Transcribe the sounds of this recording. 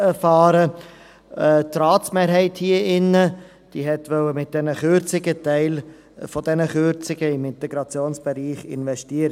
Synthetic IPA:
ɛfɑːɾə | tɾɑːtsmeːɾɦɛɪthiːəʔɪnːə | d̥iːɦɛtʋœwəmɪt̚d̥ɛnəχøɾt͡sɪɡətɛɪl | fɔdɛnəχøɾt͡sɪɡ̥əɪmɪntɛɡɾɑt͡sjoːnsb̥ɛɾiːχɪ̰nvɛstiːəɾə

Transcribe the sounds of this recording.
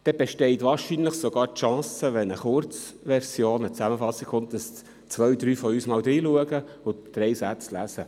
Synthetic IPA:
d̥ɛb̥ɛʃtɛɪt̪ʋɑːɾʃinləχsoɡɑːɾtʃɑ̃ːsəʋɛnəχʊɾt͡s | ʋɛɾsjoːnət͡sæməfɑsːikχʊnt̚d̥ɑs | t͡sʋœʏd̪ɾyːfɔyːsmɑːld̪ɾiːluəɡə | ʊd̪̥ɾɛɪsæt͡slæ̰zə

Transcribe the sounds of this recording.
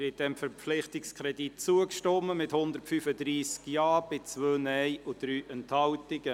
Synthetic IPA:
ɪd̥ɛmfəɾflɪχtɪkskʰɾɛdit̚t͡suəkʃtɔmːəmɪthʊnd̪əɾtfyfədɾiːskjɑːb̥ɪt͡sʋøːnɛjud̥ɾyːʔɛnthɑwtɪɡə

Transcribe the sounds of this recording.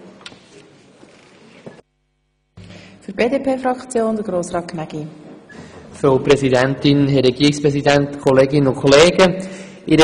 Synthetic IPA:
fyɾbeːdeːpʰeːfɾɑkt͡sjoːnd̥̪əɡɾoːsrɑːtkʰnæɡ̥i | føpɾɛzidɛntɪnɦɛɾɛɡiːɪkspɾɛsidæntkʰɔleːɡɪnəʊkʰχɔleːɡə | ʔɪɾə

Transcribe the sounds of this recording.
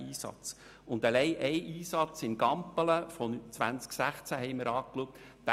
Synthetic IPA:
iːsɑ̰t͡s | ʊndəlɛɪʔɛɪʔiːsɑt͡sɪnɡɑmpələfɔnt͡sʋænt͡sksæχt͡sæɦɛɪmɪɾɑːkluək̚t̪ | d̥̪æ

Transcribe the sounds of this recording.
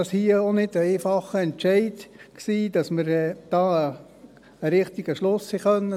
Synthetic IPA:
ɑshiːəonɪdəɛɪfɑχəɛntʃɛɪdksiːd̥ɑsməɾd̥ɑː | əɾɪχt̪ɪɡ̥əʃlʊshiχœnːə

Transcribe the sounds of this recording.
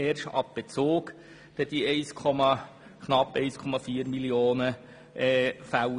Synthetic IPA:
eːrʃɑ̰p̚b̥et͡soːk | d̥ɛd̥iɛɪskʰɔmɑ | kʰnɑpːɛɪskʰɔmɑfiːəɾmilioːnə | ʔɛfæw

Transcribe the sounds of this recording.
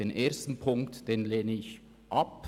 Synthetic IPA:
eːnʔeːɐstn̩pʰʊŋktd̥eːnleːnəɪç | ʔɑp

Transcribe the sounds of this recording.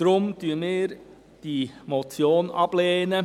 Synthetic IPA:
dɾʊmtyːəmɪːɾ | d̥imot͡sjoːnɑb̥leːnə

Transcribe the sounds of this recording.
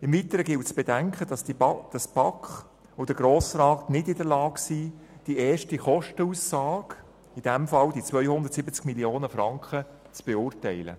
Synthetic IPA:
ɪmvitəɾəɡɪltsb̥edɛŋkχədɑsd̥ɑsb̥ɑkχ | od̥əɡɾoːsrɑːtnɪdɪdəɾlɑːksiːd̥iɛːʃtiχɔʃtəuːsːɑːɡ̥ | id̥ɛmfɑldit͡svœʏhʊnd̪əɾtsɪbət͡skmilioːnəfɾɑŋkχə | t͡sb̥eʊːrtɛɪlə̰

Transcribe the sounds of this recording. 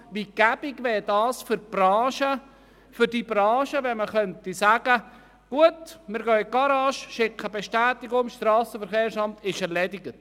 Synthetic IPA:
ʋiɡ̥æb̥ɪɡʋɛːɾdɑːsfʏɾb̥rɑːʃə | fʏɾdibɾɑ̃ːʃəʋɛnməχœntisæːɡ̥ə | ɡ̥uətmɪɾɡœːɡ̥ɑɾɑːʃʃɪkʰːəbeʃtæːtɪɡʊŋʃtɾɑːsəfəɾxeːɾsɑmtɪʃɛɾlɛdɪɡət

